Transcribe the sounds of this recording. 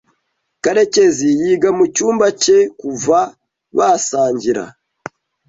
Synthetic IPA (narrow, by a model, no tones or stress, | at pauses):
kaɾe̞ce̞zijiːɡamucuːmbace̞kuva | βasaːɲɟiɾa̰